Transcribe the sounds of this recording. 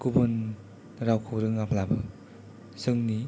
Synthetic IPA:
kubɯn | ɾawkʰowɾɯŋapʰlabɯ | sɯŋni

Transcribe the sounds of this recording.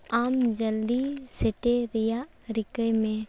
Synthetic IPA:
aːmd͡ʒəld̪iseʈeɾɪja | ɾɪkəjmẽ

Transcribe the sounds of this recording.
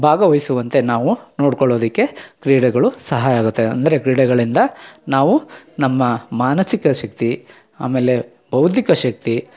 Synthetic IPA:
bʱaːɡɐʋɐjsuʋɐnt̪e̞naːʋunoːɽkɔɭoːd̪ikːe̞kɾiːɽɛɡɐɭusɐɦaːjaːɡut̪ːe̞ɐ̰nd̪ɐɾe̞kɾiːɽɛɡɐɭind̪ɐnaːʋunɐmːɐmaːnɐsikɐʃɐk̚t̪i | aːmeːle̞ | bɐwud̪ʱikɐʃɐk̚t̪i

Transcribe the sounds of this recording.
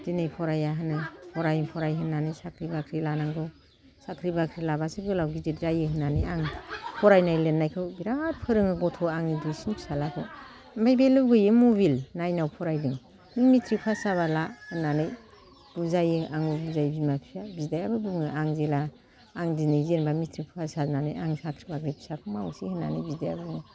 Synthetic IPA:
dinɯjpʰɔɾajaɦɯnɯpʰɔɾajɯpʰɔɾajɦɯnːanɯjsakʰɾibakʰɾilanaŋdɔ | sakʰɾibakʰɾilabasɯɡɯlawɡizet̚zajɯɦɯnanɯjaŋpʰɔɾajnajlenːajkʰɯwbiɾat̚pʰɯɾɯŋɯɡɔtʰɔaŋnidujsinkʰsalakʰɯw | mbajbelɯbɡɯjɯmuβilnajnawpʰɔɾajdɯŋ | nɯŋmitʰɾipʰasaβalahɯnanɯj | b̥uzajɯʔaŋɡɯbuzajbimapʰijabidajabɯbɯŋɯʔaŋzelaː | ŋdinɯjzenbamitʰɾipʰasananɯjaŋsakʰɾibakʰɾibʰsakʰɯmawsihɯna̰nɯjbidaja̰bɯŋɯ

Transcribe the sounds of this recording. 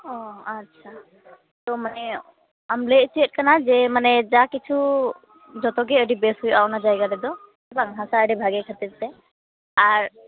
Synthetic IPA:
ɔ̃atːʃʰa | t̪ɔmanɛ | amlet͡ʃiət̚kanad͡ʒɛmanɛd͡ʒakit͡ʃʰu | d͡ʒɔt̪ɔɡ̬ɛəɖibɛsɦujawnad͡ʒajɡadɛd̪ɔ | baŋɦãsaəɖibʱaɡɛkʰat̪iɾt̪ɛ | aɾ

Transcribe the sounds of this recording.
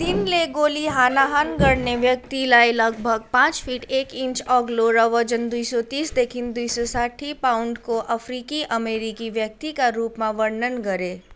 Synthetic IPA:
d̪ɪnleɡoːliɦaːnaɦaːnɡəɾneʋjək̚t̪ilaːilɐɡ̚bʱəɡ̚pãːt͡ʃfʰiːʈeːkɪ̃ɲt͡ʃɔːɡloɾəʋəd͡ʒənd̪uisɔt̪iːsd̪eːkʰɪnd̪uisɔsaːʈʰipaːʊɳɖkoʔɐfɾiːkiʔɐmeːɾikiʋjək̚t̪ikaɾuːpmãʋɐɾnənɡɐɾeː

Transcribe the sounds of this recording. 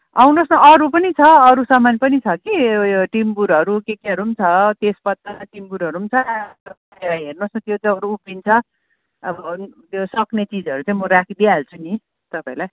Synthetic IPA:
awnosnʌʔʌɾupʌnit͡sʰʌʌɾusʌmanpʌnit͡sʰʌkiʈimbuɾʌɾukekeʌɾuːmt͡sʰʌt̪espʌt̪ːaʈimbuɾʌɾuumt͡sʰʌʌpaelajɦernosnʌt̪jot͡sãʌɾuːpint͡sʰʌ | ʌbʌt̪josʌknet͡sid͡zʌɾut͡saĩmʌɾakʰid̪ialt͡sʰuni | t̪ʌpaĩlaj

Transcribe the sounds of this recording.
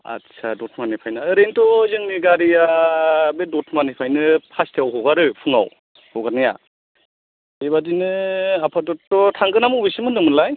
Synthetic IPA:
a̰tsʰa̰dɔtʰmanipʰajnaɯɾentɔzɯŋniɡaɾijabedɔtʰmanipʰajnɯpʰastiawɦɔɡaɾɯpʰɯŋa̰w | hɔɡanija̰ | eβadinɯapʰadɔtːɔtʰaŋɡɯnamuwbisɯmɯnɯmɯlaj

